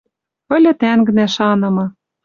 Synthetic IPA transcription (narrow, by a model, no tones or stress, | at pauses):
pɤ̆lʲɘ̆t̪æŋɡɘ̆næʃɑnɤ̆mɤ̆